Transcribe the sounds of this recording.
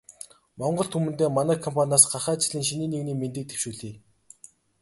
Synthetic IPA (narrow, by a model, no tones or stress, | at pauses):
mɔɴɢɞ̆ɬt̪ʰumɘ̆nt̪eːmanæːkʰːɔmpʰanʲaːsɢaχæːt͡ɕɪ̆ɮiːŋʃiniːniɣniːment̪ɘ̆k̚t̪ʰe̥wʃuːɮiː